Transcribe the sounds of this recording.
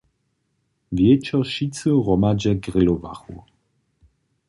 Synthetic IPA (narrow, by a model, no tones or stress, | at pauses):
vjɛt͡ɕɔʃit͡sɨʁɔmad͡ʑɛɡʁɪlɔva̰xṵ